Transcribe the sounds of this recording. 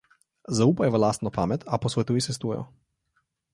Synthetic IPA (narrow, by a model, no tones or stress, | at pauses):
zauːpajɛʋalaːst̪nɔpaːmɛt̪ʰaposʋɛt̪uːjisɛs̬t̪uːjɛ̰jɔ̰